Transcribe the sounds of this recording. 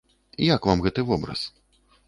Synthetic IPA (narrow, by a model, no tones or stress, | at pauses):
jakvamɣɛt̪ɨvɔbɾɐ̰s